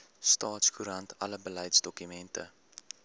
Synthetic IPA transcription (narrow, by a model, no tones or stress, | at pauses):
stɑːtskuɾɐntʰɐləbəlɛjtsdɔkymɛntʰə̰